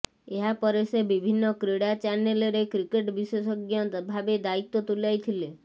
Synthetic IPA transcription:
eɦapɔɾesebibʱinːɔkɾeɽat͡ʃanelɾekɾikeʈbisesɔɡjɔbʱabed̪ait̪ːot̪ulajt̪ʰile

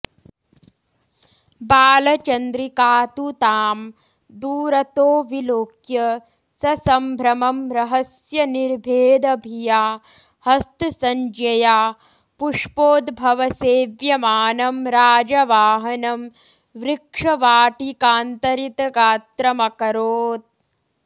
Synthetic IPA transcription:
baːlɐt͡ʃɐnd̪ɾikaːt̪ut̪aːm | d̪uːɾɐt̪oːʋiloːkjɐ | sɐsɐmbʱɾɐmɐmɾɐɦɐsjɐniɾbʱeːd̪ɐbʱijaː | hɐst̪sɐɲd͡ʒɐjaː | puʂpoːd̪bʱɐʋɐseːʋjɐmaːnɐmɾaːd͡ʒɐʋaːɦɐnɐm | ʋɾɪkʂɐʋaːʈikaːnt̪ɐɾit̪ɐɡaːt̪ɾɐmɐkɐɾoːt̪̚

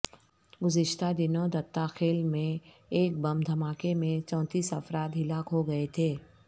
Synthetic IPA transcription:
ɡʊzɪʃt̪ad̪ɪnõd̪ɐt̪ːaxeːlmẽ | eːk̚bɐmd̪ʱɐmaːkemẽt͡ʃɔ̃ːt̪iːsɐfɾaːt̪ɦɪlaːkɦoɡɐet̪ʰeː

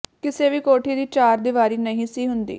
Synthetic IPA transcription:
kɪseːʋiːkoːʈʰiːd̪iːt͡ʃaːɾd̪ɪʋaːɾiːnəɦĩːsiːɦʊnd̪ḭː

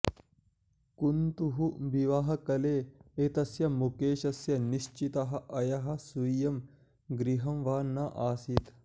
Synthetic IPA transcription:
kunt̪uɦuʋiʋɐɦɐkɐleːet̪ɐsjɐmukeːʃɐsjɐniʃt͡ʃit̪ɐɦɐ̆ʔɐjɐɦɐ̆sujɐm | ɡɾiɦɐmʋaːnːɐʔaːsit̪

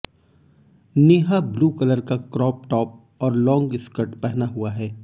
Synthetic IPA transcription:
neːɦabluːkələɾkakɾɔːp̚ʈɔːp̚ | ɔːɾlɔ̃ːŋɡɪskəɾʈpɛɦnaɦuaɦɛː

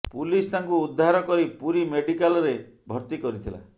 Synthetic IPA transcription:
pulist̪aŋkuːd̪ʱːaɾɔkɔɾipuɾimeɖikalɔɾe | bʱɔɾt̪ikɔɾit̪ʰila̰

